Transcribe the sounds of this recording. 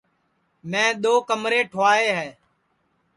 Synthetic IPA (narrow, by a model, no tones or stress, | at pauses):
mɛ̃ːɗ̪oːkəmɾeːʈʰʋaːeːɦɛː